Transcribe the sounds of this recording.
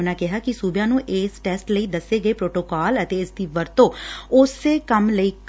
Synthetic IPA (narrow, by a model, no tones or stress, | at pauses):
naːkɪɦaːkɪsuːbjãːnũːʔeːsʈɛːsʈləiːd̪əsːeːɡəeːpɾoːʈoːkaːlət̪eːɪsd̪iːʋəɾt̪õːʊsːeːkəmləiːk